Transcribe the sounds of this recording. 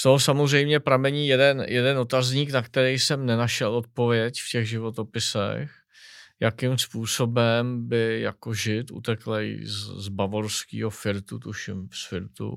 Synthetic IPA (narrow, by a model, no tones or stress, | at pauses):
t̪oɦosamozrɛjmɲɛpɾamɛɲiːjɛdɛnjɛdɛno̞t̪azɲiːknakt̪ɛɾɛjsɛmnɛnaʃɛlot̪̚po̞vɪjɛcfcɛɣʒɪvo̞t̪o̞pɪsɛ̰x | jakimspuːso̞bɛmbɪja̰ko̞ʒɪt̪ṵt̪ɛklɛjzzbavoɾskḭːɦo̞fɪɾt̪ut̪uʃɪmsfɪɾt̪ṵ